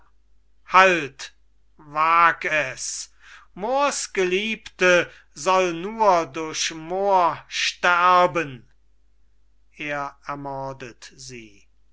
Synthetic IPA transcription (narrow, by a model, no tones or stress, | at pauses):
halt | vaːkɛs | moːɐsɡ̥əliːptə | zɔlnuːɐdʊɐɕmoːɐʃtæɐbən | ʔeːɐɛɐmɔɐdətziː